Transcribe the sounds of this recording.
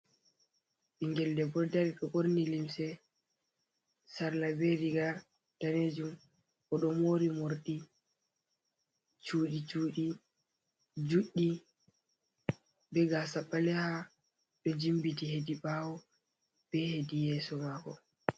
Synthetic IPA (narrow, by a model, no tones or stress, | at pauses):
ɓiŋɡɛldɛbɔdaɾiɗɔʔoɾnilimsɛ | saɾlabeɾiɡa | d̥aned͡ʒum | ʔɔɗɔmoɾimoɾɗi | t͡ʃuːɗit͡ʃuːɗi | d͡ʒuɗːi | bɛɡasaɓːalɛha | bɛd͡ʒimbitihedibawɔ | b̥ɛhedijɛːsɔmaːkɔ